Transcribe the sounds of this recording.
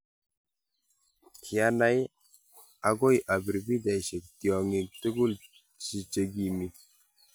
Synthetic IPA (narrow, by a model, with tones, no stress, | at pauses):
kʰi˨a˦na˨˦j | a˨ɡo˦˨jʔa˨bi˨ɾbi˦da˨jʃe˨k̚ti˨ɔ˨ŋi˨k̚tə˦ɡu˦l | si˨t͡ʃe˨ɡi˨mi˨